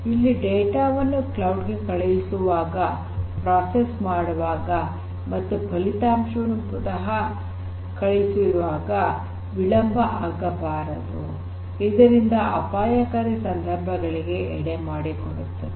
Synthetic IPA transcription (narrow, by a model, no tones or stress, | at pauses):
ilːiɖeːʈaːʋɐnːuklɐwɖɡe̞kɐɭɐjisuʋaːɡɐ | pɾaːsesmaːɽɐʋaːɡɐ | mɐt̪ːupʰɐlit̪aːmʂɐnupud̪ɐɦɐ | kɐɭejsiɾuʋaːɡɐ | ʋilɐmbʱɐʔaːɡɐbaːɾɐd̪u | id̪ɐɾind̪ɐɐpaːjɐkɐɾisɐnd̪ʱɐɾbʱɐɡɐɭiɡe̞ɛɽemaːɽikoɽut̪ːɐe